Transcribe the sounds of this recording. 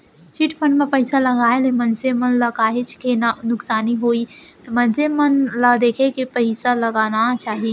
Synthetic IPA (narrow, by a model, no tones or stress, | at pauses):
t͡ʃɪʈʰpənmẽpəɪsalɐɡaːelemənsemənlakaːɦet͡ʃʰkenanʊksaːniɦoːi | mə̃nsemənlad̪eːkʰekepəɪsalɐɡaːnat͡ʃaːɦi